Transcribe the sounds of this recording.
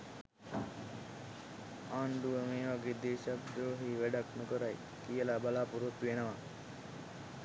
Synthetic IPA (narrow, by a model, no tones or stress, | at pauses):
aːnɖuʋəmeːʋaɡeːd̪eːʃabdɾoːɦiːʋæɖaknukəɾaj | kijəlabalaːpuɾot̪ːuʋenəʋa